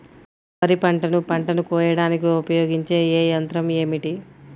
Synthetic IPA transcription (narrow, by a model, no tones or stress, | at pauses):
ʋɐɾipɐɳʈɐnupɐɳʈɐnukɔːjɐɽaːnikiupɐjoːɡiɲt͡ʃe̞ːeːjɐnt̪ɾɐmeːmiʈi